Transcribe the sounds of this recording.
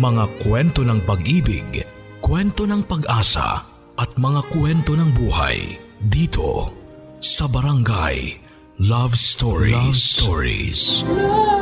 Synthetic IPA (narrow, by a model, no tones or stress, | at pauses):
mɐŋakwɛnt̪o̞nɐŋpɐɡʔiːbɪ̰ɡ | kwɛnt̪o̞nɐŋpɐɡʔaːsɐ̰ | ʔɐt̪̚mɐŋakwɛnt̪o̞nɐŋbuːha̰jd̪iːt̪ʰo̞̰ | sɐbɐɾɐŋɡa̰j | lavst̪oɹḭst̪oɹḭs